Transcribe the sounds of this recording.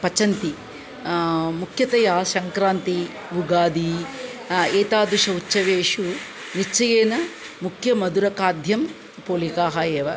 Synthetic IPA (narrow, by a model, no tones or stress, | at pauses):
pɐt͡ʃɐnt̪i | mukʰjɐt̪ɐjaːʃɐŋkɾaːnt̪i | ʋuɡaːd̪i | eːt̪aːd̪uʃɐutːt͡ʃːɐʋeːʂu | nit͡ʃːɐjeːnɐ | mukʰjɐmɐd̪uɾɐkaːd̪ʱjɐm | poːlikaːɦaːjeːʋɐ